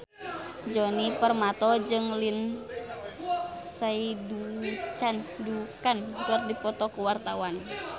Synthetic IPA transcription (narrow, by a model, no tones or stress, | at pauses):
d͡ʒɔnipərmat̪ɔd͡ʒɨŋlin | saidut͡ʃandukankərdipɔt̪ɔkuwart̪awan